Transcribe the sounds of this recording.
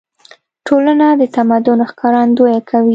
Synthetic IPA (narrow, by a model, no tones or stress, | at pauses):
ʈʰolanad̪ət̪amad̪ʊnxkɑɾɑnd̪ojakʰawi